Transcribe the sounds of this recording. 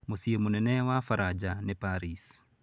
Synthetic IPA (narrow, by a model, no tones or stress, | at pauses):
musiemunɛnɛwafaɾad͡ʒanepaɾis